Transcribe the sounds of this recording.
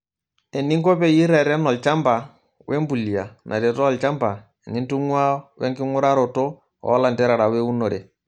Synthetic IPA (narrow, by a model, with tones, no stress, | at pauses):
ɛ˨ni˦ŋkɔ˦pɛ˦ji˦ɾa˨ɾɛ˦nɔ˨lt͡ʃa˦mba˨ | wʔɛ˦mbu˨li˨a˨nʔa̰˨ɾɛ˨tɔ˦a˨lt͡ʃa˦mba˨ | e˨ni˦ntu˦ŋwa˦wɛ̰˦ŋki˦ŋu˦ɾa˦ɾɔ˨tɔ˦ | ɔ̰˨ɔ˦la˨ntɛ˦ɾa˨ɾa˨wɛ˦u˦nɔ˨ɾɛ˨